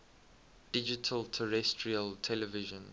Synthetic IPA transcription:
d̥ɪd͡ʒitʰəltʰəɹɛstʰɹiəltʰɛləvɪʒə̃n

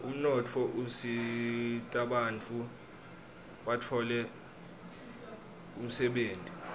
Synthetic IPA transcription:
um̩nɔtʰɔʔusi | tʼaɓant͡fʼu | ɓatʰɔlɛ | um̩sɛɓeːntʼi

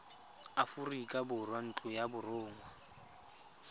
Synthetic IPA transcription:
afʊrikʼabʊrwan̩t͡ɬʼʊjabʊrʊːŋwa

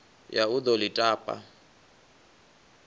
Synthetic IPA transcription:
jaʊd̪ɔlitʼaːpʼa̰

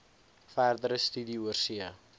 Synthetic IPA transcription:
færd̪əɾəst̪ydiuərsiə

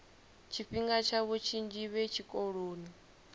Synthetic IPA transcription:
t͡ʃʰiɸiŋɡat͡ʃʰaβut͡ʃʰind͡ʒiβɛt͡ʃʰikʼɔɺoːni

